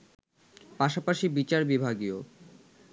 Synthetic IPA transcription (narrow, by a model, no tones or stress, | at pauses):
paʃapaʃibit͡ɕaɾbibʱaɡio